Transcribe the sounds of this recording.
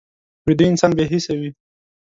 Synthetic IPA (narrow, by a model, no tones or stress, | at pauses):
wɪd̪uɪnsɑnbeɦisawi